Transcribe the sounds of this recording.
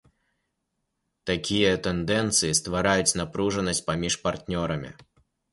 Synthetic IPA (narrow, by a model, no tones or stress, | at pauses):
t̪akʲijɐt̪ɛnd̪ɛnt̪sɨjist̪vaɾajut͡sʲnapɾuʐɐnɐsʲt͡sʲpamʲiʂpart̪nʲɔɾɐmʲḭ